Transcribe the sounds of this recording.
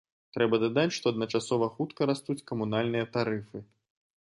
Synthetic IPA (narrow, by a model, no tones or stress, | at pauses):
t̪ɾɛbɐd̪ad̪at͡sʲʂt̪ɔɐd̪nɐt͡ʂasɔvɐxut̪kɐɾast̪ut͡sʲkɐmunalʲnɨjɐt̪aɾɨfɨ